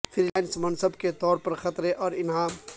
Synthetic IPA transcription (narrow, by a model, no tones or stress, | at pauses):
fʰɪɾilaːɪnsmɐnsəbket̪ɔːɾpɐɾxɐt̪ɾɦɛʔɔːɾɪnɦã